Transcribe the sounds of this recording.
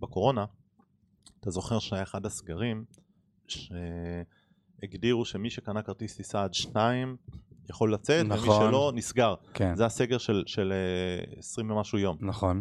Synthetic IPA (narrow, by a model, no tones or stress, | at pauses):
beko̞ʁo̞na | at̪azo̞χe̞ʁʃneeχadasɡaʁim | ʃe̞ | eɡdiʁuʃe̞miʃe̞kanakaʁt̪ist̪isaːd̪ʃnaimjaχo̞lːat͡se̞tnemiʃelo̞nisɡaʁkezease̞ɡeʁʃe̞lʃe̞leḛsʁimvemaʃujo̞mnaχon